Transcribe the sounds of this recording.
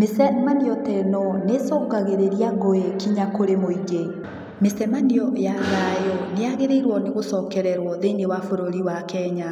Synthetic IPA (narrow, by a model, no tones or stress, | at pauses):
mesɛmanijɔtɛnɔnesɔːkaɣeɾeɾiaɣojɛkiɲakoɾemoiɡe | mesɛmaniɔjaɣajɔneaɣeɾeiɾwɔneɣosɔːkɛɾɛɾwɔðeinewafoɾoɾiwakɛɲa